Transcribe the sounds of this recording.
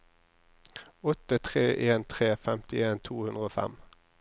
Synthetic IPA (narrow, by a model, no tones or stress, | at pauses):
ɔt̪ət̪ʰʁeːʔeːnt̪ʰʁeːfɛmt̪ɪeːnt̪ʰuːhʉnʁəoːfɛ̰m